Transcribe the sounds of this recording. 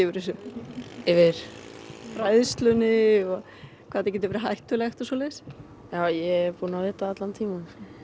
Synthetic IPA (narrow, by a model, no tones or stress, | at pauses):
ɪvʏɾɪs̬ʏ | ɪvɪɾ̥fɾajðst̪lʏnɪɔ | kʰvaːt̪ɛcɛt̪ɪvɛɾɪɦajht̪ʏlɛxt̪ɔsɔːlɛːs | jaːwjɛɛɾpuːnavɪːt̪aat̪lant̪ʰiːma